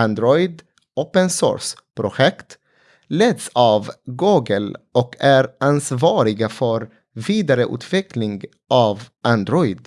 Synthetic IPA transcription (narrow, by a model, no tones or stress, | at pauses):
and̪ɾɔʏd̪ | ʔoːpənsɔ̰ːɾspʰɾʊɧɛkt̪ | lɛd̪sɑːvɡuːɡəlʔɔkʰæɾʔansvɑːɾɪɡafœɾ | viːd̪aɾəʔʉ̰ːt̪ʰvɛklɪŋɡ | ʔɑːvʔand̪ɾɔʏd̪